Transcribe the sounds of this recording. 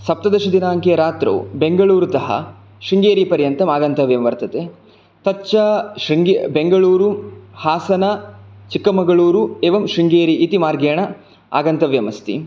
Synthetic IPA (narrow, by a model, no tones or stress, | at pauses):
sɐp̚t̪ɐd̪ɐʂɐd̪inaːŋkejɐɾaːt̪ɾo̰ːbeŋɡɐɭuːɾut̪ɐɦɐ̰ | ʂiŋɡeːɾipɐɾjɐnt̪ɐmaːɡɐnt̪ɐʋjɐmʋɐɾt̪ɐt̪e | t̪ɐt͡ʃːɐʂɾiŋɡebeŋɡɐɭuːɾuhaːsɐnɐt͡ʃikːɐmɐɡɐɭuːɾueːʋɐmʃɾiŋɡeːɾiʔːt̪imaːɾɡeːɳɐ | a̰ːɡɐnt̪ɐʋjɐmɐst̪ḭ